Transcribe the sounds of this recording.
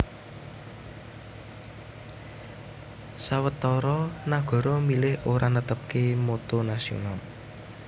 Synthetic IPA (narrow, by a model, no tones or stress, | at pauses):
sawət̪ɔɾɔnaɡ̥ɔ̤ɾɔmilɪhoɾanət̪əp̚kemot̪onasio̰nal